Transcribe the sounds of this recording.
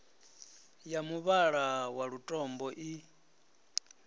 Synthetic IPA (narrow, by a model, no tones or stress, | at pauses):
jamuβaɺawaɺutʼɔmbɔʔi